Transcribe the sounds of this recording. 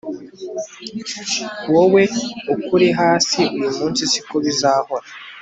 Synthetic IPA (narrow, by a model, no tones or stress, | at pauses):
wowe̞ukuɾiɦaːsiujumuːnsisi̥koβizaːho̞ɾa